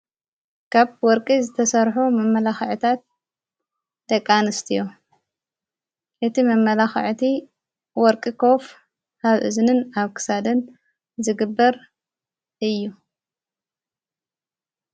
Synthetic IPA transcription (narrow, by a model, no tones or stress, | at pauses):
kʰaβwɔɾkʼizɨt̪ʰɐsɐɾħumɐmːɐlaxʕɨt̪ʰat̪̚ | d̪̥ɐkʼːanɨst̪ʰijo | ʔɨt̪ʰimɐmːɐlaxʕt̪ʰi | wɔɾkʼikʰo̞f | aβʔɨ̰znɨnaβkʰɨ̥sad̪ɨn | zɨɡɨbːɐɾ | ʔɨjːu